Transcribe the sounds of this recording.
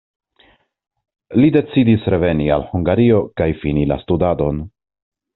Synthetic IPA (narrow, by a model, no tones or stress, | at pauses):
lide̞t͡sidisɾe̞ve̞nia̰lhuŋɡaɾio̞kajfinila̰studado̞n